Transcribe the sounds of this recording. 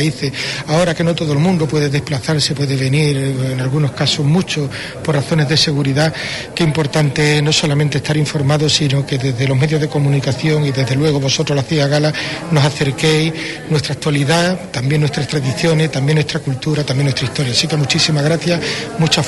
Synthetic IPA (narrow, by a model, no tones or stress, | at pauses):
iθe̞ao̞ɾakeno̞t̪o̞ðolmũnd̪opwe̞ðeðe̞hplaθaɾse̞pwe̞ðeβe̞niɾenalɣuno̞hkaso̞ɦmut͡ʃo̞ | po̞raθo̞ne̞zðe̞se̞ɣuɾiða | keimpo̞ɾt̪ant̪e̞eno̞so̞lament̪est̪aɾiɱfo̞ɾmaðo̞sino̞ke̞ðe̞zðe̞lo̞ɦme̞ðjo̞zðe̞ko̞mũnikaθjo̞ŋiðe̞zðe̞lwe̞ɣ̞oβo̞so̞t̪ɾo̞hlaθiɣaɣalano̞saθe̞ɾke̞j | nwe̞st̪ɾak̚t̪waliðat̪ambjenwe̞st̪ɾast̪ɾaðiθjo̞ne̞ht̪ambjnwe̞st̪ɾakult̪uɾat̪ambjenwest̪ɾaist̪o̞ɾjasike̞mut͡ʃisimaɣɾaθjamut͡ʃa